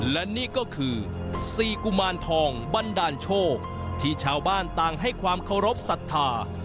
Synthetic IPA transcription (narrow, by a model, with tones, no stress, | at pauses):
lɛ˦˥niː˥˩kɔː˥˩kʰɯː˧ | siː˨˩ku˧˩maː˧nt̪ʰɔː˧ŋba˧ndaː˧nt͡ɕʰoː˥˩k̚ | t̪ʰiː˥˩t͡ɕʰaː˧wbaː˥˩nt̪aː˧ŋɦa˥˩jkʰwaː˧mkʰa˥˩wɾo˦˥p̚sa˨˩t̪ʰːaː˧